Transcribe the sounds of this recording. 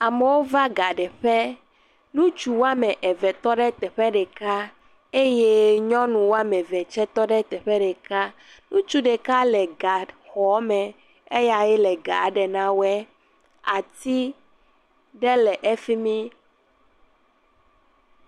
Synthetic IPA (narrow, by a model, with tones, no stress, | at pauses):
a˨mɛ˨wo˦va˦ɡa˨ɖɛ˨ɸɛ˦ | nũ˦t͡ʃu˨wo˦a˦mɛ̃˨ʔɛ˨vɛ˨t̪ɔ˦ɖɛ˦t̪ɛ˨ɸɛ˦ɖɛ˨ka˦ | e˦je˦ɲɔ̃˦nũ˨wo˦a˦mɛ̃˨vɛ˨t͡ʃɛ˦t̪ɔ˦ɖɛ˦t̪ɛ˨ɸɛ˦ɖɛ˨ka˦ | nũ˦t͡ʃu˦ɖɛ˨ka˦lɛ˨ɡa˨xɔ˨˦mɛ̃˨ | e˦ja˨jɛ˦lɛ˨ɡa˨˦ɖɛ˨nã˦wɛ˦ | a˨t̪i˦ | ɖɛ˦lɛ˨ʔe˦fi˦mĩ˦